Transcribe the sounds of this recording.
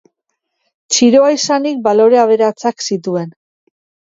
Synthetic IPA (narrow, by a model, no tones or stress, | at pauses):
t͡ʃiɾo̞aisanik̚balo̞ɾe̞aβ̞e̞ɾat͡saksit̪ue̞n